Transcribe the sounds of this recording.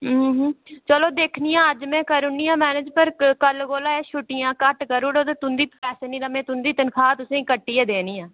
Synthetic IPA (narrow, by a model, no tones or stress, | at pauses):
ɦːɦt͡ʃəloːd̪eːkʰnijãːəd͡ʒmɛ̃ːkəɾʊniːãːmɛːnɪd͡ʒpəɾkəlɡoːlaːeːʃʰʊʈːijãːkəʈkəɾuːɽoːt̪eːt̪ʊnd̪iːpɛːseːnĩːɾəmẽːt̪ʊnd̪iːt̪ənkʰaːt̪ʊsẽːkəʈːiːeːd̪eːniːãː